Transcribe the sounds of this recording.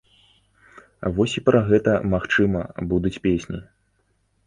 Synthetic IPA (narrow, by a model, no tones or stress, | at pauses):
avɔsʲipɾʔaɣɛt̪ɐmaxt͡ʂɨmɐbud̪ut͡sʲpʲesʲnʲḭ